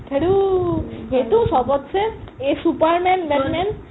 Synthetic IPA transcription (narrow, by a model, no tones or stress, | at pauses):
k̪ʰeɽu | ɦet̪uʃɔbotːɕʰeesupaɾmɛnbenmen